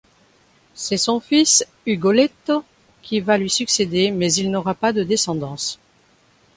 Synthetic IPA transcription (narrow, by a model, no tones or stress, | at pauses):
sɛsɔ̃fis | yɡɔlɛt̪o | kʲivalɥisyksed̪emɛzilnɔʁapad̪əd̪esɑ̃d̪ɑ̃s